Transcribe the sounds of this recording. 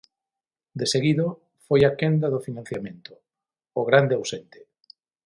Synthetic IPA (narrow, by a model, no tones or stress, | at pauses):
d̪eseɣiðo | fojakend̪aðofinãn̟θjamẽnt̪ʊ̥ː | ɣɾand̪eawsent̪e̥